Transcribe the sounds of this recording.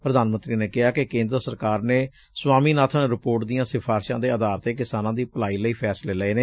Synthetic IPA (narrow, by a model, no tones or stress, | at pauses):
pɾəd̪aːnmənt̪ɾiːneːkɪɦaːkekẽːnd̪ɾəsəɾkaːɾneː | swaːmiːnaːt̪ʰənɾɪpoːɾʈd̪ijãːsɪpʰaːɾʃãːd̪eːəd̪aːɾt̪eːkɪsaːnãːd̪iːpəlaːiːləiːpʰɛːsleːləeːneː